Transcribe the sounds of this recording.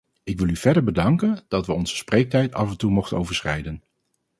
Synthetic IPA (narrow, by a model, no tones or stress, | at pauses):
ɪkʋɪlˠyv̥ɛɹdəɹbədɑŋkənd̥ɑtʋəɔnz̥ə̥sprejk̚tɛjtɑ̰vɛntumɔχtənowvəɹsχɛ̰jdən